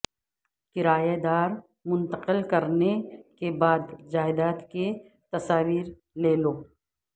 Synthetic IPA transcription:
kɪɾaːjad̪aːɾ | mʊ̃nt̪əqəlkɐɾnekebaːd̪d͡ʒaːɪd̪aːt̪ke | t̪ɐsaːʋiːɾ | leːloː

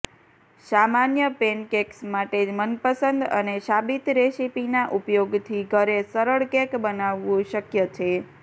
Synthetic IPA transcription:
samanjəpenkeksmaʈed͡ʒmənpəsənd̪ə̰neʃabit̪ɾesipinaʔupjoɡt̪ʰiɡʱəɾesəɾəɭkekbənaʋːũʃəkjət͡ʃʰe

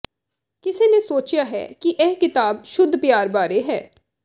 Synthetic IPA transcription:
kɪseːneːsoːt͡ʃjaːɦɛ̰ːkɪʔɛːkɪt̪aːbʃʊd̪ʱpjaːɾbaːɾeːɦɛ̰ː

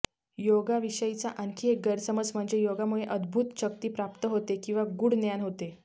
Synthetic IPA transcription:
joɡaʋiɕəjit͡saʔənkʰiek̚ɡəɾsəməd͡zm̤əɳd͡zejoɡamuɭeʔəd̪bʱut̪ɕək̚t̪iːpɾap̚t̪əɦot̪ekĩw̃ʋaɡuːɽnjanɦot̪e

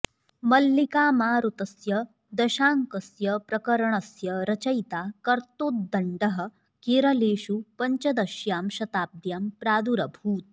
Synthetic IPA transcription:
mɐlːikaːmaːɾut̪ɐsjɐ | d̪ɐʃaːŋkɐsjɐpɾɐkɐɾɐɳɐsjɐɾɐt͡ʃɐjt̪aːkɐɾt̪oːt̪̚d̪ɐɳɖɐɦɐ̆ | kiːɾɐleːʃupɐɲt͡ʃɐd̪ɐʃjaːmʃɐt̪aːb̚d̪jaːmpɾaːd̪uɾɐbʱuːt̪̚

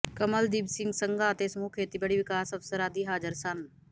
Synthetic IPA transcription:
kɐməld̪iːbsɪ̃ŋɡsəŋɡaːt̪esmuːkʰeːt̪ibɐɽiʋɪkaːsɐfsəɾaːd̪iɦaːd͡ʒəɾsɐn

